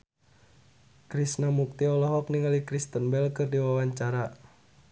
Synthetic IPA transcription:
kɾisnamuk̚t̪iɔlɔɦɔk̚niŋalikɾist̪ənbɛlkɨrdiwawaɲt͡ʃaɾa

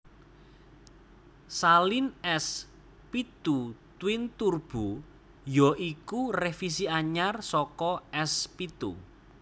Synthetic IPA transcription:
salinɛs | pit̪ut̪wɪnt̪urb̥u | jɔʔikurefis̬iaɲarsɔkɔɛspit̪ṵ

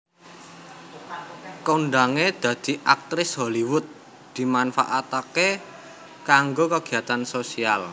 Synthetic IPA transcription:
koɳɖaŋed̪̥ä̤d̪̥i̤ʔak̚t̪ɾɪsɦoliwʊt̪̚ | d̪̥i̤manfa̰ʔat̪ake | kaŋɡokaɡ̥i̤at̪ansosial

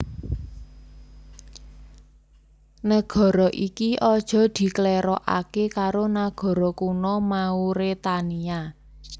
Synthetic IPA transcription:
nəɡ̥ɔ̤ɾɔʔikiʔɔd̥ʒ̥ɔ̤d̪̥i̤kəleɾɔʔa̰kekaɾonaɡ̥ɔ̤ɾɔkunɔmauɾet̪ania

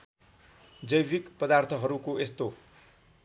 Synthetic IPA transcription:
d͡zʌjʋikpʌd̪art̪ʰʌɦʌɾukoest̪o

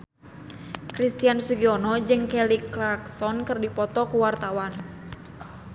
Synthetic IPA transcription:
kɾist̪ijanswiɡiɔnɔd͡ʒɨŋkɛliklaksɔnkɨrdipɔt̪ɔkuwart̪awan

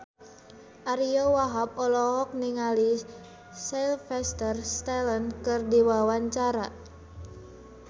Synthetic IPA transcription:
ʔaɾiowaɦap̚ɔlɔɦɔk̚niŋali | sɛlfɛst̪ərst̪ɛlənkɨrdiwawaɲt͡ʃaɾa

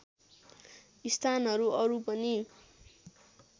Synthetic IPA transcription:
ist̪ʰanɦʌɾuʌɾupʌni

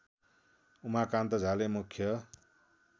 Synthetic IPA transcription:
umakant̪ʌd͡zʱalemukʰːjʌ

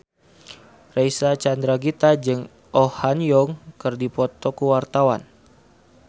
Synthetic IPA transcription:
rejsat͡ʃand̪ɾaɡit̪ad͡ʒɨŋ | ʔɔhanjɔŋkɨrdipɔt̪ɔkuwart̪awa̰n

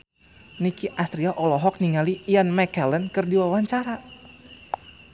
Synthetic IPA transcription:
nikiʔast̪ɾiaʔɔlɔɦɔk̚niŋalijanmɛkɛlɛnkɨrdiwawaɲt͡ʃaɾa

